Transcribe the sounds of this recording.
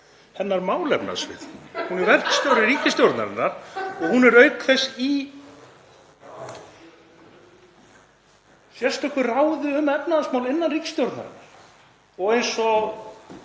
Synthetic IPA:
hɛnːaɾmaːwlɛpna̰ðsvɪ̰ðhunɛɾvɛr̥k̪st̪jowɾɪɾiːcɪst̪jowɾt̪na̰ɾɪ̰nːaɾ̥ɔɣhunɛɾœɥkθɛsːi | sjɛr̥st̪ɔhkvɪrawðʏʏmɛpnaðasmaːwlɪnːanriːcɪ̥st̪jowɾt̪na̰ɾɪ̰nːaɾ̥ | ɔɣejnsɔ

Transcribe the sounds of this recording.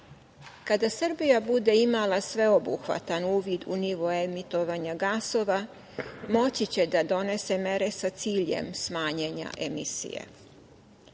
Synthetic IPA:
kad̪asr̩bijabud̪e̞imalasʋe̞o̞bṵxʋa̰t̪anuːʋid̪ṵniʋo̞emit̪o̞ʋaɲaɡaso̞ʋa | mo̞t͡ɕit͡ɕed̪ad̪o̞ne̞se̞me̞ɾesat̪siːʎe̞̰msmaːɲeɲa̰ʔemisḭjḛ

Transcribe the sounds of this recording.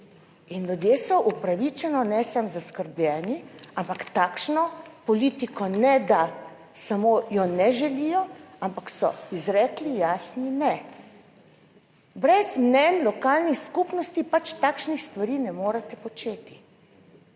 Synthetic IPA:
inljud̪jeːsɔʔupɾaʋit͡ʃɛnɔnɛsamzaskəɾblʲɛːniampakt̪aːkʃnɔpɔliːt̪ikɔnɛd̪a | samojɔnɛʒɛlijɔampaksɔ̰izɾɛːklijaːsninɛ | bɾɛzmnɛnlɔkaːlnixskupnɔst̪ipat͡ʃt̪aːkʃnixst̪ʋaɾiːnɛmoːɾat̪ɛpɔt͡ʃeːt̪i̥

